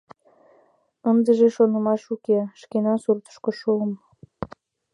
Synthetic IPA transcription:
ənd̪əʒeʃonəmɑʃukeʃkenɑsurt̪ə̥ʃkoʃuəm

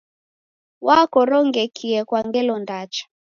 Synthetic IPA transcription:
wakɔɾɔŋɡɛkʰiɛkwaŋɡɛlɔndat͡ʃḁ

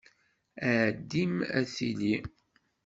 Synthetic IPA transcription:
æːd̪ːimæ̰θḭli

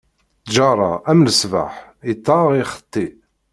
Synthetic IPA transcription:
d͡ʒɑɾˤɑ̰æmləsva̰ħit̪ːɑʁiχə̥t̪ˤːi

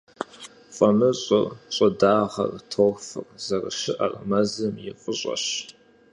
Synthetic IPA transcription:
fʼɐmɨɕʼɪrɕʼɐdaːʁɐ̰rtʰorfɨrzɐrɨ̰ʃɪʔɐrmɐzɐmjɪqʼəɕʼɐ̰ɕ

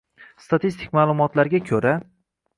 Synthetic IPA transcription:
st̪ʰat̪ist̪ʰɪkʲmaːlˠʊmɒt̪laɾɡʲakʲʰɵɾa

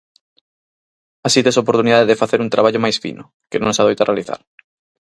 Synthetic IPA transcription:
asit̪esopoɾt̪uniðaðeðefaθeɾuŋt̪ɾʔaβaʎomajsfḭnʊ | kenõŋsaðojt̪arealiθa̰ɾ

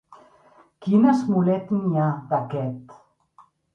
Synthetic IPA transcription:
kinəzmulɛt̪niaðakɛt̪

